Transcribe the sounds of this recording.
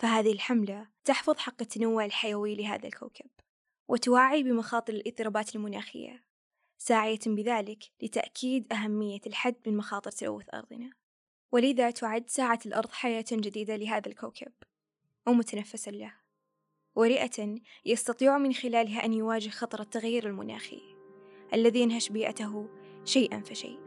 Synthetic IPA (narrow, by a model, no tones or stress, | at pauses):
faɦaːðɪhɪlħamlat̪ɑħfɑðˤħɑqːɪt̪ːanawːʊʕɪlħajawilɪɦa̰ːðalka̰wkʰab̥̚ | wʔɪt̪ʊwaːʕibɪmɑxɑːt̪ˤɨɾɪlʔɨt̪ˤːɨɾɑːbaːt̪ɪlmʊna̰ːxɪ̰jːa̰ | saːʕɪjabɪðaːlɪklɪt̪a̰ʔkʰiːd̪ʔaɦamːɪjːalħad̪ːmɪnmɑxɑːt̪ˤɨɾt̪alʔa̰wːɪθʔɑ̰ɾˤðˤɨ̰na | wɪlɪðat̪ʰʊʕad̪ːsaːʕalʔɑɾˤðˤħajaːt̪d͡ʒɪd̪iːd̪alɪɦaːðalkawkʰab | wmʊt̪anafːɪsalah | wɪɾiːʔat̪ajɑst̪ɑt̪ˤiːʕumɪnxɪlaːlɦaʔanjwaːd͡ʒɪhxɑt̪ˤɑɾˤɑt̪ːaɣjiːɾɪlmʊ̰na̰ːxḭʔalːaðijɪnhaʃbiːʔa̰t̪aɦ | ʃajʔa̰nfiʃa̰ː